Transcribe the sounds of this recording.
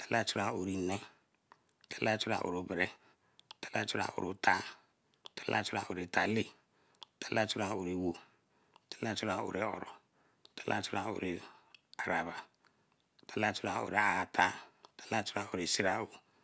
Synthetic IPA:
ta˨la˦t͡ʃu˦ɾa˨o˨ɾi˨nɛ˦ | tʰḁ˨la˦t͡ʃu˦ɾa̰˨ʔo̰˨ɾo˨bɾe˨ | tḁ˨la˦t͡ʃu˦ɾa̰˨ʔo̰˨ɾo˨tʰa˦˨ | tʰa˨la̰˦t͡ʃu˦ɾa˨o˨ɾi˨tʰa˨li˦ | ta˨la˦t͡ʃu˦ɾa˨o˨ɾi˨wo˨ | tḁ˨la˦t͡ʃu˦ɾa˨o̰˨ɾe˨ɔ̰˨ɾo˨ | ta˨la̰˦t͡ʃu˦ɾa˨o̰˨ɾi˨a˨ɾa˨βa˨ | ta˨la˦t͡ʃu˦ɾa˨o̰˨ɾe˨a˨ta˦tḁ˨la˦t͡ʃu˦ɾa˦o˨ɾi˨si˦ɾa˦o˨

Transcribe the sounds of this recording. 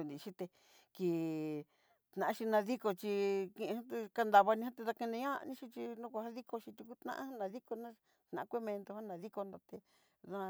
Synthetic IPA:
u˧nd̪i˨˧ʃi˦t̪e˧ | ki˨ | t̪nã˨ã˦˧ʃi˧nã˧ði˦ko˧t͡ʃi˧kĩ˧ʔã˦t̪e˧ka˧nd̪a˧βa˧nĩ˧ã˦t̪e˧ða˧kẽ˧nẽ˧ɲã˦˧nĩ˦ʃi˧t͡ʃi˧nũ˦kʷa˧ha˦ði˦ko˧ʃi˧t̪u˧ku˦t̪nã̰˧ʔha˦nã˧ði˦ko˧nã˦ | t̪nã˨˦kʷe˦mẽ˧nt̪o˧hã˦nã˨˧ði˦ko˧nd̪o˧t̪e˧ | ðã˧

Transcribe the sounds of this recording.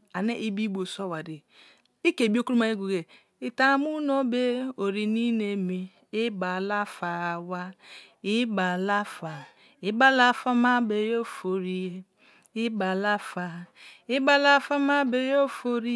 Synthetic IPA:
a˨ne˦ʔi˦bi˦ɡ͡bo˨so˦˨wa˨di˨ | i˦ke˨bi˦o˦ku˦ɾu˦ma˨i˦ɡu˨ɡe˨ | i˨ta˨˦mu˦no˦be˦o˨ɾi˨ni˦ne˨mi˨ | i˦ba˨la˦fa˨wa˦i˦ba˨la˦fa˨ | i˦ba˦la˦fa˦ma˦be˨jo˦fo˨ɾi˦je˦ | i˦ba˨la˦fa˨i˦ba˦la˦fa˦ma˦be˨jo˦fo˦ɾi˦

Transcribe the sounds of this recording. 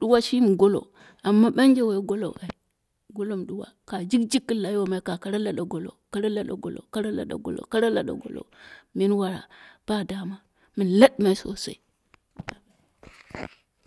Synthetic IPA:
ɗu˦wa˦ʃi˦mi˨ɡo˦lo̰˨ | a˨mːa˦ɓa˦nd͡ʒe˦we˨˦ɡo˦lo̰˨a˨i˨ | ɡo˦lo˦m˨ɗu˦wa̰˦ka˨d͡ʒi˦kd͡ʒi˦kːi˦la˨˦o˦ma˨i˦ka˨ka˨ɾa˦la˨ɗa˨ɡo˨lo̰˨ka˦ɾa˦la˦ɗa̰˨ɡo̰˨lo̰˨ka˦ɾa˦la̰˨ɗa̰˨ɡo̰˨lo̰˨ka˦ɾa˦la̰˨ɗa̰˨ɡo̰˨lo̰˨mi˦nwa˨ɾa̰˨b̥a˦˨da˦ma˦ | mi˨n˨la˦ɗma˨i˦so̰˨sa̰˦i˦

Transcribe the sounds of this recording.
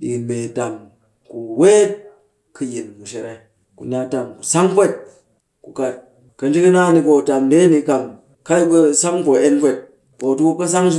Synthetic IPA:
ɗi˨me˨ta˨m | ku˨we˦t | kɨ˧ji˨nmu˨ʃe˨ɾa˨˦ | kṵ˨nʲ˦a˦ta˨mku˨sa˦ŋ˦pʷe˦˨t̚ | ku˨ka˨ | kɐ˨n˦d͡ʒi˦kɐ˦na˦ni˧ko˨ta˨mde˦ni˧˦ka˨m | ka˦ju˦ku˦sa˦ŋ˦ko˨e˦npʷe˦˨t̚ | ko˨tu˦ku˦ka˦s̬a˦ŋ˦

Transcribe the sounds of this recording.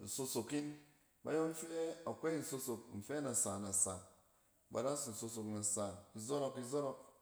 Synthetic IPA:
n̩˨su˧su˨ki˦n | ba̰˦jo˦n̩˦fe˦a˨kʷe˦i˨n̩˨su˧su˨k̚n̩˨fe˦na˨sa˨na˨sa˨ | ba̰˨da˦su˨n̩˨so˧su˨kna˨sa˨i˨zo˦ɾɔ˦ki˧zo˦ɾo˦k̚

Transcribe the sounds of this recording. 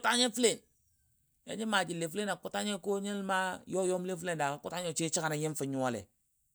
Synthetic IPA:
ta˦ɲe˦fi˦le˨n | ja̰˦d͡ʒi˦ma˨d͡ʒi˨le˨fle˦na˨ku˦ta˦ɲe˦ko˦ɲi˦lma˦jo˦jo˦m˦le˦fle˦nda˨ka˨ku˦ta˦ɲo˦t͡ʃi˦t͡ʃi˦ka˦˨na˨ji˦nfi˨ɲu˦a˦˨lḛ˨

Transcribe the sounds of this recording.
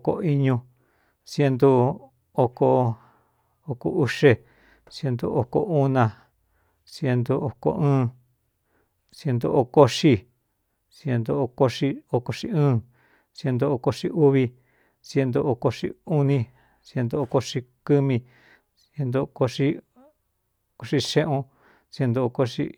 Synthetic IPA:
ko̰˧i˦ɲũ˧ | sje˧nd̪u˧ | o˧ko˧ | o˧ko̰˧ʔu˦ʂe˧ | sje˧nd̪ṵ˧ʔo˨ko̰˧ʔu˦nã˧ | sje˧nd̪u˧o˧ko̰˧ʔɨ̃ː˦ | sje˧nd̪o˧ʔo˧ko˦ʂi˧ | sje˧nd̪o˧o˧ko˧ʂi˧o˧ko˧ʂḭ˧ɨ̃ː˦˧ | sje˧nd̪o˧o˧ko˧ʂi˧ʔu˦βi˧ | sje˧nd̪o˧o˧ko˧ʂi˦˧u˦nĩ˧ | sje˧nd̪o˧o˧ko˧ʂi˧kɨ˦mĩ˧ | sje˧nd̪o˧ko˧ʂi˦ | ko˧ʂi˧ʃẽ˦ʔũ˧ | sje˧nd̪o˧o˧ko˧ʂḭ˦˧

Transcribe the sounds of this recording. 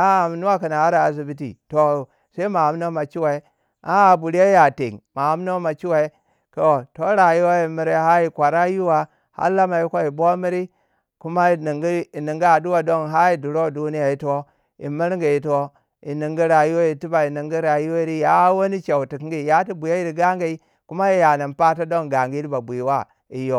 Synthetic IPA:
a˦˨m˨˦nu˦wa˦ki˨na˨a˦ɾa˨a˨zi˨bi˦tḭ˨to˨ | se˦i˦ma˨a˨˦m˦o˦ma˨t͡ʃi˦wa˨i˦ | a˦˨bu˨ɾi˦e˦ja˨tḛ˨ŋma˨a˦m˦no˦ma˨t͡ʃi˦wa˨i˦ | ko˦wo˨to˦ɾa˨ju˦wa˦i˨mi˨ɾe˦ɦa˦i˨kʷa˨ɾa˦ju˦wa˨ | ha̰˦la˦ma˨ji˦ko˦i˨bo˦mi˦ɾi˦ | ku˦ma˦˨ni˨ŋɡi˦i˨ni˨ŋɡi˦a˨du˦wa˨do˦ŋɦa˦i˨du˨ɾo˦˨du˦ni˦ja˨i˦to˦ | ḭ˨mi˦ɾŋɡi˨i˨to˦ | i˨ni˨ŋɡi˦ɾa˨ju˦wa˦i˨ti˦ba˨i˨ni˨ŋɡi˦ɾa˨ju˦o˦i˦ɾi˦ja˦wo˦ni˦t͡ʃa˨u˨ti˨kŋ˦ɡi˦˨ja˦ti˦bu˨ja˦ji˦ɾi˨ɡa˦ŋ˦ɡa˨i˦ | ku˦ma˦i˦ja˨ni˨mpa˦to˦do˦ŋ˨ɡa˨ŋɡi˦i˦ɾi˦ba˨bi˨i˨wa˦ | i˨jo˨

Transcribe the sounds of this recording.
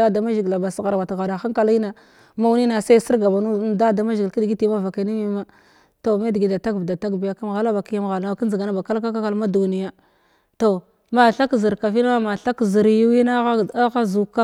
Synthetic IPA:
a˦da˨ma˦ʒi˨ɡla˨ba˨sɣa˨ɾwa˨tɣa˨da˨xa˦ŋka˨li˦na˨ | ma˦wni˦na˨sa˦si˦ɾɡa˨ba˨nu˦da˦da˨ma˦ʒi˨ɡki˦di˨ɡi˦ti˦ma˦va˨ka˨ni˦mi˦ma˦ | to˨me˦di˨ɡi˨da˨ta˦ɡvda˨ta˦kbja˦ka˦m˨ɣa˦la˦ba˨ki˦ja˦mɣa˨lna˦˨ki˦n˦zi˨ɡa˨na˦ba˨ka˦lka˦ka˦ka˦˨lma˦du˨ni˨ja˦ | to˨ | ma˨ɬa˦kzi˨ɾka˨vi˦na˦a˦ma˨ɬa˦kzi˨ɾji˦wi˦na˦a˦˨a˦ɣa˦zu˨ka˦

